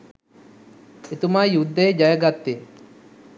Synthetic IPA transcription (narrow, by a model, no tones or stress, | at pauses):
et̪umaːjud̪ːeed͡ʒɐjɐɡat̪ːeː